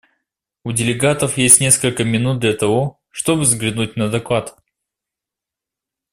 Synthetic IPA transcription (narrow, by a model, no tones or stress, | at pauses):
ʊdʲɪlʲɪɡat̪əfjesʲtʲnʲe̞skəlʲkəmʲɪnut̪̚d̪lʲɐt̪ɐvo̞ | ʂt̪o̞bɨvzɡlʲɪnut̚ʲnəd̪ɐklˠat̪